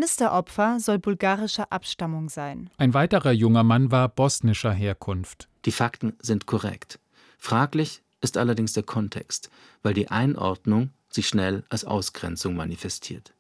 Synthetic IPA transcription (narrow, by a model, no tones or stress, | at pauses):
nɪstɐʔɔpfɐzɔlbʊlɡaːʁɪʃɐʔapʃtamʊŋzaɪnʔaɪnvaɪtəʁɐjʊŋɐmanvaːɐbɔsnɪʃɐɦeːɐkʰʊnftd̥iːfaktn̩zɪntkʰɔʁɛ̰kt | fʁ̥aːklɪç | ʔɪstʔalɐdɪŋsd̥eːɐkʰɔntʰɛ̰kst | v̥aɪldiːʔa̰ɪnʔɔ̰ɐdnʊŋ | z̥iːʃnɛlʔalsʔa̰ʊsɡ̥ʁɛnt͡sʊŋmanifɛstʰḭːɐt